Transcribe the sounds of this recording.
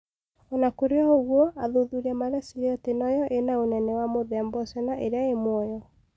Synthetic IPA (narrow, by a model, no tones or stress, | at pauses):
ɔnakoɾeɔoɣwɔaðoðuɾɛmaɾɛsiɾeɔtenɔjɔʔenaonɛnɛwamoðɛambɔsɛnaʔeɾeaemwɔjɔ